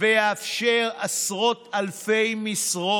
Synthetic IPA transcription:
ejeafʃeʁasʁo̞talfejmisʁo

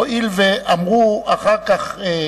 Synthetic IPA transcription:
ilvɛamɣuaχakʼaχɛ

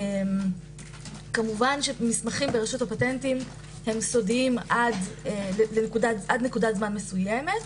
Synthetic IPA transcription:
em | kamuvanʃemismaχimbeʁeʃutapatentim | he̞mso̞dimʔadeelenekudaʔadne̞kudatzmanmesujeme̞t

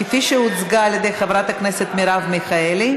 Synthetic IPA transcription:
kefiʃeut͡sɡaːljed̪e̞jχevɾat̪akneset̪miɾavmiχaeli

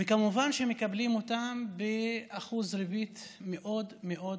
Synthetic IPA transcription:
vekamuvanʃemekablimo̞t̪ambeaχuzɾibit̪meʔo̞d̪meʔo̞

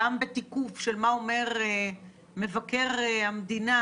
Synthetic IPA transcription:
ambet̪ikufʃelmaome̞ʁ | me̞vake̞ʁhamd̪ina

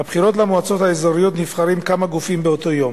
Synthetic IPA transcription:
abχiʁo̞t̬lamoat͡so̞thaezaʁijo̞t̪nifχaʁimkamaɡufimbeot̪o̞jo̞m

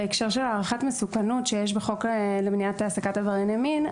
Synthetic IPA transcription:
ekʃeʁʃelaːʁaχatmesukanutʃejeʃ̬beχo̞kelemniatasakatavaʁinjamin

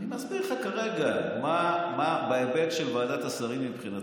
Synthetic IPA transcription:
nimazbiʁχakaʁe̞ɡamamabaebekʃelvaːdat̪asaʁimmipχina

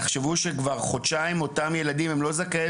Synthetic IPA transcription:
eχʃevuʃekvaʁχo̞dʃaimo̞tamje̞ladimemlo̞zake

